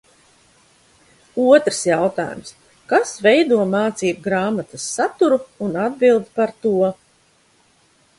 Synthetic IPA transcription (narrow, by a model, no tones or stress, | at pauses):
uɔt̪ɾsjawt̪a̰ːjṵms | kasvɛjd̪uɔmaːt̪siːt̪̚ɡɾaːmat̪asːat̪uɾuːnad̪̚bilˠd̪paɾt̪uɔ